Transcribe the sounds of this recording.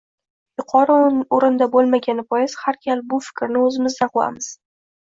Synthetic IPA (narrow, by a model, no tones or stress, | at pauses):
jʊqʰɒɾaoɾɪnd̪abolˠmaɡʲanɪpʰɒjɪshaɾkʲʰalbʊfɪ̥kʲɾnɪɵzɪmɪzd̪anqola̰mɪz̥